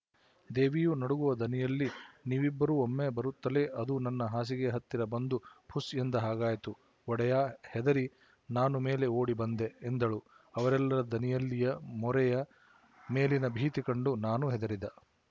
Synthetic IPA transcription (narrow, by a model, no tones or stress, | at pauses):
d̪eːʋijunɐɽuɡuʋɐd̪ʱɐnijɐlːiniːʋibːɐɾuomːebɐɾut̪ːɐle̞ʔɐd̪unɐnːɐɦaːs̬iɡe̞ɦɐt̪ːiɾɐbɐnd̪upʰusend̪ɐɦaːɡaːjt̪u | ɔɽɛjaːhɛd̪ɐɾi | naːnume̞ːle̞oːɽibɐnd̪eːnd̪ɐɭu | ɐʋɐɾɛlːɐɾɐd̪ʱɐnijɐlːijɐmɔɾɛjɐ | me̞ːlinɐbʱiːt̪ikɐɳɖunaːnuɦɛd̪ɐɾid̪ɐ